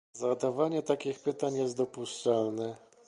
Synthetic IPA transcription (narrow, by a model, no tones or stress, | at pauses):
zad̪avaɲɛt̪akʲixpɘt̪aɲjɛst̪d̪ɔpuʂt͡ʂalnɛ